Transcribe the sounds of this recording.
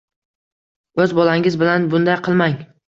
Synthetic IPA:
ɵzbɒlaŋɪzbɪlanbʊnd̪ajqʰɨlˠmaŋ

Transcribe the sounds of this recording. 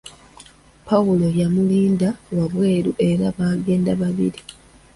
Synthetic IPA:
pʰawulo̞jamuliːndawaβwe̞ːɾuʔe̞ɾaβaːɡe̞ːndaβaβḭɾi

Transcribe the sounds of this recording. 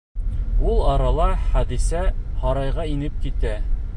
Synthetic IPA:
ulˠɑɾɑlˠɑχæd̪isæhɒɾɑjʁɑinɘp̚kit̪æ

